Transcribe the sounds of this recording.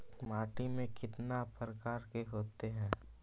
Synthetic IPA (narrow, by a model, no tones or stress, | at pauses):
maːʈimẽkɪt̪napɾəkaːɾkeɦoːt̪eɦɛ̃ː